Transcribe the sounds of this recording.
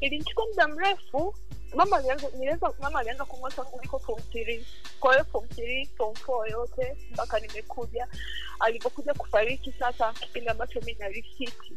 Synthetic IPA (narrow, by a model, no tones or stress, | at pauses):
ilint͡ʃi̥kwamuɗam̩ɾɛfu | mamalniɛzamamalianzakumwaataŋɡɔlikɔfɔm̩tiɾi | kwajɔfɔm̩tiɾipɔm̩fɔjɔtɛ | mpakanimɛkʰuʄa | alivɔkuʄaku̥faɾikisasaki̥pindiambat͡ʃɔminalifitʰi